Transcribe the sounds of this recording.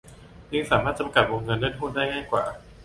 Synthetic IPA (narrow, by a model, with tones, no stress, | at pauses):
t͡ɕɯ˧ŋsaː˩˦maː˥˩t͡ɕa˧mka˨˩t̪̚wo˧ŋŋɤ˧nlɯ˥˩nɦuː˥˩daː˥˩jŋaː˥˩jkwa̰ː˨˩